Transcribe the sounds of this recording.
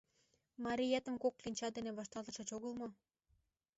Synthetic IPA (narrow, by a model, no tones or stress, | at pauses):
mɑɾʲijet̪ə̆mkoklinʲt͡ɕɑd̪eneβɑʃt̪ɑlˠt̪ə̆ʃɤ̆t͡ɕoɣəlmo